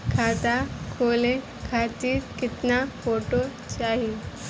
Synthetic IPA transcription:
kʰat̪akʰole | kʰat̪iːɾkɪt̪nafoʈo | t͡ʃaɦi

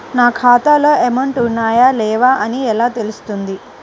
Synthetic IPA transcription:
naːkʰaːt̪aːloːemɐɳʈunːaːjaːlɛːʋaːʔɐniɛlaːt̪e̞lust̪und̪i

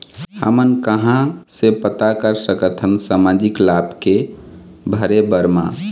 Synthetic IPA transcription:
hə̰mənkəɦãsepət̪akəɾsəkət̪ʰənsamad͡ʒiklabke | bʱəɾebəɾmã

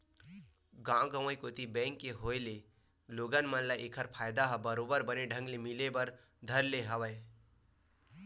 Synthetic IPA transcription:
ɡãɡəw̃əjkot̪ibɛ̃ŋkːeɦojle | loɡənmənlaʔekʰəɾpʰajd̪aɦəbəɾobəɾbəneɖʱə̃ŋɡlemilebəɾ | d̪ʱəɾleɦəwəj

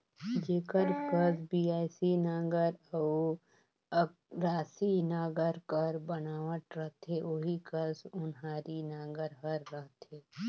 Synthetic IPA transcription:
d͡ʒeːkəɾkəzbiːaːjsinaːɡəɾaw | ɾaːsinaːɡəɾkəɾbɐnaːʋəʈ̪ɾəɦt̪ɦeʔoɦikəzʊnɦaːɾinãːɡəɾɦəɾːəɦt̪ɦeː

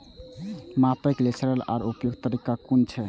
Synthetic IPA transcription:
mapeklesəɾəla̰ɾupjoɡt̪əɾikakunt͡ʃʰɛ

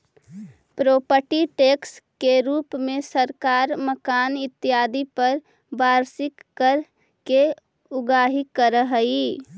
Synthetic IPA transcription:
pɾoːpəʈiʈekskeɾuːpmẽsəɾkaːɾməkaːnɪt̪ːɪjaːd̪ipəɾ | baːɾsɪkːəɾ | ke | ʊɡaːɦikːəɾəɦəi

